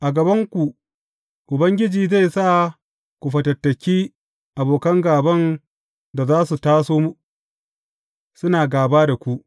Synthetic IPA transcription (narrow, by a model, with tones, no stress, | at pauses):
ʔa˨ɡɐ˨bɐ˦ŋkʷu˨ | ʔʊ˨bɐ˦ŋɡʲɪ˦d͡ʒiː˨za˦˨jsa˦˨ | kʷu˨ɸɐ˨tɐ˨tːɐ˨kʲiː˦ | ʔa˨boː˨kɐ˦ŋɡaː˨bɐ˦n | da˨zaː˦su˨taː˦soː˦mu˦ | sʊ˦naː˨ɡaː˨baː˦da˨kʷu˦ʔ